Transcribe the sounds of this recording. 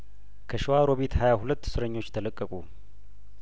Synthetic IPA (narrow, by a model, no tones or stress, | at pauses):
kʰəʃɪwaɾoβit̪hajahulət̪ːsɨɾəɲːo̞t͡ʃːt̪ʰələkʼːəkʼu